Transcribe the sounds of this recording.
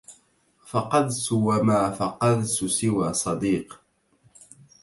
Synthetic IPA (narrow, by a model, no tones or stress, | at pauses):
fɑqɑd̪sʊwamaːfɑqɑd̪sʊsɪwaːsˤɑd̪iːq